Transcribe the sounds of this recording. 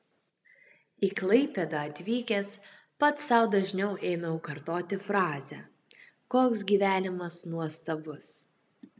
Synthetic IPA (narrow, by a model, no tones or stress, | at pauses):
iːklˠɐɪpʲed̪ɑɐt̪ʲʋʲiːkʲes | pɐt̪sɐˑʊd̪ɐʒʲnʲɛʊʔeːmʲɛʊkɐɾt̪oːt̪ʲɪfɾɑːzʲɛ | koːksɡʲiːʋʲæːnʲɪmɐsnuɔst̪ɐbʊs